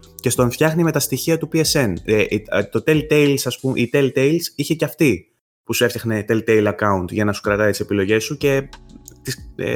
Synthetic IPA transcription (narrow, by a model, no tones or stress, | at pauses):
ce̞st̪o̞ɱfçɐxnime̞t̪ɐst̪içiɐt̪upiese̞net̪o̞t̪e̞lt̪e̞jlsɐspumʔit̪e̞lt̪e̞jlsiçeceɐft̪i | pusue̞fçɐxne̞t̪elt̪e̞ijlɐkɐunt̪ʝɐnɐsu̥kɾɐt̪ɐit̪ise̞pilo̞ʝe̞suce̞t̪is